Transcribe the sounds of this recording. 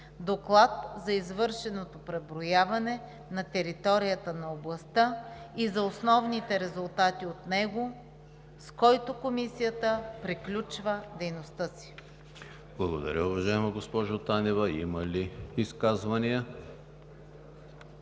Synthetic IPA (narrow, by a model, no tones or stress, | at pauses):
d̪oklˠat̪zɐizvɤɾʃɛnot̪opɾɛbɾojavɐnɛ | nɐt̪ɛɾit̪ɔɾijət̪ənɐoblˠɐst̪əizɐosnɔvnit̪ɛɾɛzʊlˠt̪at̪iot̪nɛɡo | skɔjt̪ʊkomisijət̪əpɾiklʲut͡ʃvəd̪ɛjnost̪əsi̥ | b̥lˠɐɡod̪ɐ̰ɾʲəʊvɐʒaɛmɐɡospɔʒot̪anɛvɐḭmɐliiskazvɐnijə